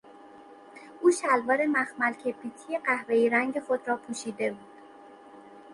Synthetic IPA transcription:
ʔuːʃælvɒːɾe̞mæxmælcʲʰe̞pʰiːt̪ʰijeɢæhve̞jiɾæŋɟe̞xo̞d̪ɾɒːpʰuːʃiːd̪e̞buːd̪̥

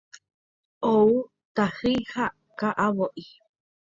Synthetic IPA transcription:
ʔow | t̪ahɨjha | kaʔaβoʔi

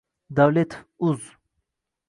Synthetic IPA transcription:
d̪awlet̪ʰuz

